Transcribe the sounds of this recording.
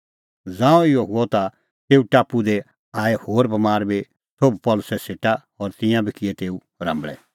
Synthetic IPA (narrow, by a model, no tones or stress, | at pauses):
d͡zãːɔ̃ɪɔɦʊɔt̪a | t̪eːuʈaːpud̪ɛ | aːɛhoːɾbɐmaːɾbi | t̪ʰoːbpɔːlʊsɛseːʈaɦɔːɾt̪ɪ̃jãbʱikɪɛt̪eːu | ɾɐ̰̃mbɭɛ